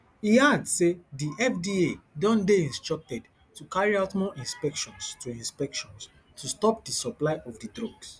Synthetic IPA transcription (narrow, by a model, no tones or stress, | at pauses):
iadsediʔɛfdiedɔ̃ndeĩnstɹɔk̚tɛd | tukaɹiaʊtmɔʔĩnspɛkʃɔ̃nstuĩnspɛkʃɔ̃ns | tʰustɔp̚disɔplaɪʔɔfdidɹoɡs